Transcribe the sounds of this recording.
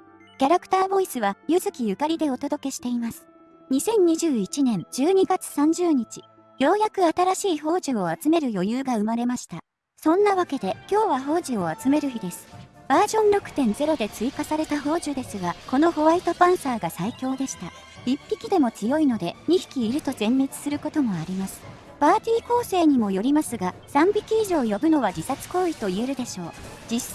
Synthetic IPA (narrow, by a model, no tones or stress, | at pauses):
kʲaɾakɯ̥t̪aːbo̞isɨβajɯzɨkʲijɯ̟kaɾʲid̪e̞o̞t̪o̞d̪o̞ke̞ɕi̥t̪e̞imasɨ̥ | ɲ̟isẽ̞ɲ̟ɲ̟iʑɨːit͡ɕinẽ̞ɲd͡ʑɨːɲ̟iɡat͡sɨ̥sãɲ̟d͡ʑɨːɲ̟it͡ɕi̥ | jo̞ːjakɯ̟at̪aɾaɕiːɦo̞ːʑio̞at͡sɨme̞ɾɯ̟jo̞jɯːɡaɯ̟maɾe̞maɕi̥t̪a | sõ̞nːaβake̞d̪e̞kʲo̞ːβaɦo̞ːʑio̞at͡sɨme̞ɾɯ̟çid̪e̞sɨ̥b̥aːʑõ̞nɾo̞kɯ̟̥t̪ẽ̞nd͡ze̞ɾo̞d̪e̞t͡sɨikasaɾe̞t̪aɦo̞ːʑɨd̪e̞sɨɡako̞no̞ho̞βait̪o̞pãɰ̃saːɡasaikʲo̞ːd̪e̞ɕi̥t̪a | b̥ʲipʲːikʲid̪e̞mo̞t͡sɨjo̞ino̞d̪e̞ɲ̟içi̥kʲiːɾɯ̟t̪o̞zẽ̞mːe̞t͡sɨ̥sɨɾɯ̟ko̞t̪o̞mo̞aɾʲimasɨ̥ | b̥aːt̪ʲiːko̞ːse̞ːɲ̟imo̞jo̞ɾʲimasɨɡasãmbʲikʲiːʑo̞ːjo̞bɯ̟no̞β̞ad͡ʑisat͡sɨ̥ko̞ːit̪o̞ie̞ɾɯ̟d̪e̞ɕo̞ːd͡ʑis